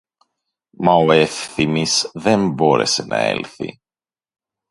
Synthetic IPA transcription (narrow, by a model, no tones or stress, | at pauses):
mɐoe̞fθimisðe̞mbo̞ɾe̞̰se̞nʔɐ̰ḛlθḭ